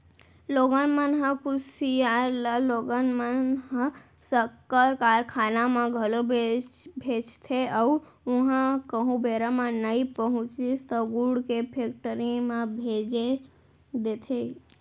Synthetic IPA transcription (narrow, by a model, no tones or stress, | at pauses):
loɡənmənɦə̃kʊsijalaloɡənmənɦə̃ | səkːəɾkaːɾkʰaːnamãɡʱəlobebʱed͡ʒt̪ʰeaw | ʊɦãkəɦũbeɾamãnəipəɦʊ̃t͡ʃist̪əɡuɽkepʰekʈəɾimãbʱed͡ʒe | d̪et̪ʰe